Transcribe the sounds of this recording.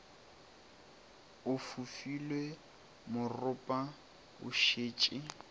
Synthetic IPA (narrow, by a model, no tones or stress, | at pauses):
ʊfufilwe | mʊrʊpʼa | ʊ̰ʃeːt͡ʃʼɪ